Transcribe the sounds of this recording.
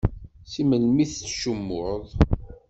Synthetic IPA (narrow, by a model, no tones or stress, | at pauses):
siməlmiθt͡sːʃəmːʊðˤ